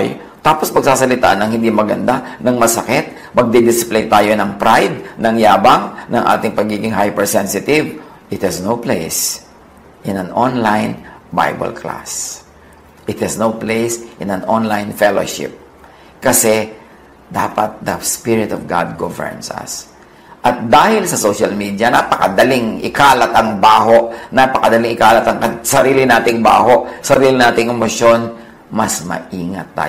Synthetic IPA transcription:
j | t̪aːpospɐɡ̚saːsɐlɪt̪a̰ʔnɐŋhɪ̃nd̪imɐɡɐnd̪anɐŋmɐsɐkɪt̪̚ | mɐɡ̚d̪ɛd̪ɪsplejt̪aːjonɐŋpɾajd̪̚nɐŋjaːbɐŋnɐŋʔa̰ːt̪ɪŋpɐɡiːɡɪŋɦajpɛɹsɛnsɪt̪ɪv | ʔɪt̪̚hɛsnowplejs | ʔɪ̃nɐnʔonlajnba̰jbɐ̰lkʰla̰s | ʔɪt̪hɛsnowplejsʔɪ̃nɐnonlajnfɛlo̰ʃɪ̰p̚ | kɐsɛ | d̪a̰ːpɐt̪̚d̪ɐspɪɹɪt̪ɔvɡa̰d̪̚ɡovɛ̰ɹnsɐ̰s | ʔɐt̪̚d̪aːhɪlsɐsoʃɐlmid̪jɐnapɐkɐd̪ɐlɪŋʔɪkaːlat̪ɐŋbaːɦoʔnapɐkɐd̪ɐlɪŋɪkaːlɐt̪ɐŋkɐsɐɾiːlɪnaːt̪ɪŋba̰ːhoʔsɐɾiːlɪnaːt̪ɪŋɐmoʃjon | mɐsmɐ̰ʔiːŋat̪̚ːa̰

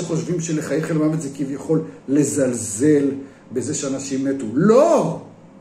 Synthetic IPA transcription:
eχo̞ʃvimʃeleχajeχelmavezekivjaχo̞lːe̞zalzel | beze̞ʃeanaʃimːet̪ulo

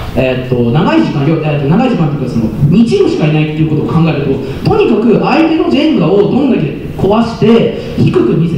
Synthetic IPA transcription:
e̞t̪ːo̞naɡaiʑikãjoet̪ːonaɡaiʑikãnojikːasonoɲ̟it͡ɕĩmɯ̟ɕi̥kainait̪ːeiɯ̟ko̞t̪oːkʰãŋɡae̞ɾet̪o | t̪o̞ɲ̟ikakɯ̟ʔait̪e̞no̞d͡ʑemɯ̟ɡao̞d̪õ̞nd̪akʲe | kʰo̞βaɕi̥t̪e̞ | çikɯ̟kɯ̟mʲise

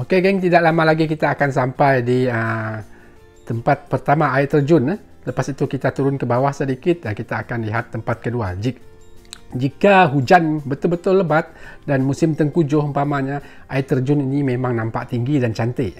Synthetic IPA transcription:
okeɡɛŋt̪idaʔlamãlaɡik̬it̪aːkans̬ampajdiə | t̪əmpat̪̚pərt̪amaaɪt̪ːərd͡ʒʊnəh | ləpasit̪ukit̪at̪uɾʊnkəbawahsədikɪt̪̚dankit̪aːkanliɦat̪ːəmpat̪̚kəduad͡ʒi | d͡ʒikaɦud͡ʒanbət̪ʊlbət̪ʊlːəbat̪̚danmusɪmt̪əŋkud͡ʒʊhəmpamaɲaʔaɪt̪ːərd͡ʒʊninimemaŋnampaʔt̪iŋɡidant͡ʃant̪ə

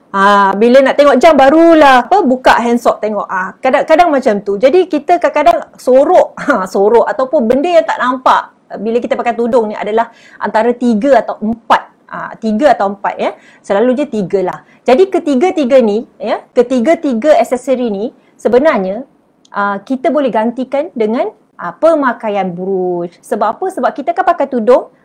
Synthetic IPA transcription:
abilənaʔt̪eŋɔʔ̚d͡ʒambaɾulahapəbuka̰ʔɦɛnsɔʔ̚t̪eŋɔ̰ʔəkadaŋkadaŋmat͡ʃamt̪ud͡ʒadikit̪əkakadaŋsoɾɔʔəsoɾɔʔat̪awpʊnbəndəjaŋt̪a̰ʔnampa̰ʔ | biləkit̪əpakajt̪udʊŋniʔa̰dalah | ʔa̰nt̪aɾət̪iɡəat̪awʔəmpat̪̚ | ə̰t̪iɡəat̪awəmpa̰t̪̚jə | səlaluɲat̪iɡəlah | d͡ʒadikət̪iɡət̪iɡənijəkət̪iɡət̪iɡəɛsɛsəɾini | səbənarɲa | ʔəkit̪abolɛhɡant̪ikandəŋãn | ʔəpəmakajanbuɾussəbappəsəbap̚kit̪akahpakajt̪udʊŋ

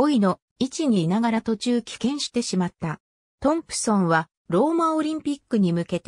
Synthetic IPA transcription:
o̞ino̞ | it͡ɕiɲ̟inaɡaɾat̪o̞t͡ɕɨːkʲi̥kẽ̞ɰ̃ɕi̥t̪e̞ɕimat̪ːa | t̪õ̞mpɯ̟̥sõ̞ɰ̃βa | ɾo̞ːmaoɾʲĩmpʲikːɯ̟ɲ̟imɯ̟ke̞t̪e

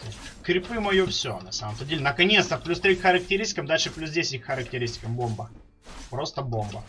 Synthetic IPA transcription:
t̪osʲtʲkɾʲɪpɨmɐjofsʲonɐsaməmt̪ədʲelʲɪnəkɐnʲet̪st̪əplʲust̪ɾʲikxəɾək̚tʲɪɾʲisʲɪkəmd̪alʲʂɨplʲus̬dʲesʲɪt̚ʲkxəɾək̚tʲɪɾʲisʲtʲɪ̥kəmbo̞mbə | pɾo̞st̪əbo̞mbə

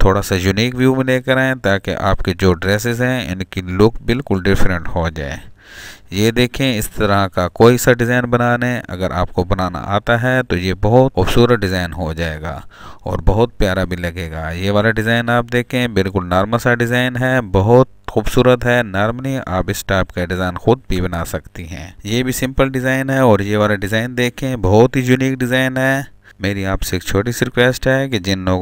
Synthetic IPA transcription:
t̪ʰoːɽasajʊniːkʋjuːmẽleːkɐɾaːẽt̪aːkḛʔa̰ːpked͡ʒoːɖɾɛːs̬ɪzɦɛ̃ɪ̰nkilʊkbɪlkʊlɖɪfɾə̃ɳʈɦod͡ʒa̰ːḛː | jed̪eːkʰẽɪst̪ɐɾakakoːisaɖɪzaːɪnbɐnaːneɐ̰ɡəɾʔa̰ːp̚kobɐnaːna̰ʔa̰ːt̪aɦɛt̪ojebɐɦʊt̪xuːbsuːɾət̪̚ɖɪzaːɪnɦod͡ʒaːḛːɡa̰ːɔ̰ːɾbɐɦʊt̪̚pjaːɾabʱilɐɡeːɡaːjeʋaːlaɖɪzaːɪnaːp̚d̪eːkʰẽbɪlkʊlnaːɾmasaɖɪzaːɪnɦɛbɐɦʊt̪xuːbsuːɾət̪ɦɛnaːɾmnia̰ːpɪsʈaːpkaɖɪzaːɪnxʊd̪̚bʱibɐnaːsɐkt̪iɦɛ̰̃ːjebʱisɪ̃mpəlɖɪzaːɪnɦɛɔːɾjeʋaːlaɖɪzaːɪnd̪eːkʰẽbɔɦʊt̪ɦijʊniːkɖɪzaːɪnɦɛː | meːɾiaːpseeːkt͡ʃʰoːʈ̬isɾɪkwʋeːsʈɦɛked͡ʒɪnloːɡ

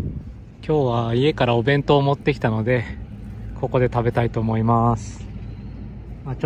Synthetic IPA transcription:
kʲo̞ːβaie̞kaɾao̞bẽ̞nt̪o̞ːmo̞t̪ːe̞kʲi̥t̪ano̞d̪e̞ | kʰo̞ko̞d̪e̞t̪abe̞t̪ait̪o̞ːmo̞imasɨ̥ | mat͡ɕ

